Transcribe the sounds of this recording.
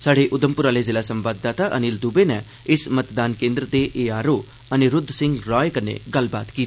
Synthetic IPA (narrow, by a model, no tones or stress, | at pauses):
saːɽeːʔʊd̪əmpʊɾaːlezɪlaːsə̃mʋaːd̪ːaːt̪aʔənild̪uːbenɛ | ɪsmət̪d̪aːnkẽːnd̪ɾəd̪eʔeːaːɾoː | əneɾʊd̪sɪ̃ŋɡɾɔːekəɾnḛɡəlbaːt̪kiːt̪ː